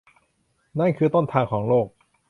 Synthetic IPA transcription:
na˥˩nkʰɯː˧t̪o˥˩nt̪ʰaː˧ŋkʰɔː˩˦ŋloː˥˩k̚

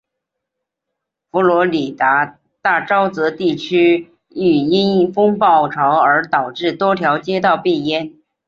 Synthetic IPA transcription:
fu˧˥lwɔ˧˥li˨˩t̪a˧˥ | t̪a˥˩ʈ͡ʂɑ˥ʊt͡sɤ˧˥t̪i˥˩t͡ɕʰy˥ | y˨˩i˥ni˥˩fʊ˥ŋpɑ˥˩ʊʈ͡ʂʰɑ˧˥ʊə˞˧˥t̪ɑ˨˩ʊʈ͡ʂɻ̩˥˩t̪wɔ˥t̪ʰjɑ˧˥ʊt͡ɕjɛ˥t̪ɑ˥˧ʊpi˥˩jɛ˥n

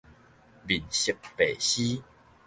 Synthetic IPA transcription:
bi˨˩nɕi˨k̚pe˨ɕi˦

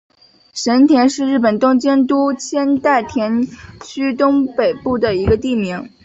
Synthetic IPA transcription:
ʂə˧˥nt̪ʰjɛ˧˥nʂɻ̩˥˧ɻ̩˥˩pə˨˩nt̪ʊ˥ŋt͡ɕjɛ˥nt̪u˥t͡ɕʰjɛ˥nt̪a˥˩ɪt̪ʰjɛ˧˥nt͡ɕʰy˥t̪ʊ˥ŋpe˨˩ɪpu˥˩d̪ə˩i˧˥ɡə˧t̪i˥˩mi˧˥ŋ

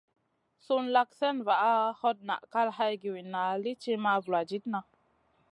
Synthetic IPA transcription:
su˦nla˧kse˦nva˨ʔa˦ho˦t̚na̰˨ʔka˦lɦa˧jɡi˨wi˨nːa˨li˦t͡ʃi˦ma˧vu˨la˨d͡ʒi˦tna˧

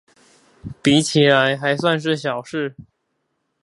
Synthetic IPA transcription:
pi˧˥t͡ɕʰi˨˥ɻa˧˥nxa˧˥ɪswa˥˧nʂ̬ɻ̩˥˩ɕjɑ˨˩ʊʂɻ̩˥˩

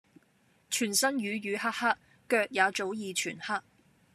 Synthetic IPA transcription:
t͡ʃʰyː˨˩nsɐ˥njyː˨˧jyː˨˧ɦaː˥k̚haː˥t̚ | kœː˧k̚jaː˨˧t͡so˨˥wjiː˨˧t͡ʃʰyː˨˩nhaː˥k̚

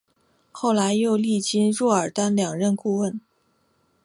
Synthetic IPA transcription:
xo˥˩ʊla˧˥ɪjo˥˧ʊli˥˩t͡ɕi˥nɻɔ˥˩ə˞˨˩t̪a˥nljɑ˨˩ŋɻə˥˧nku˥˧wə˥˩n

